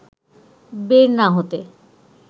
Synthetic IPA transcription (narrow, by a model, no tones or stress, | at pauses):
beɾnaɦot̪e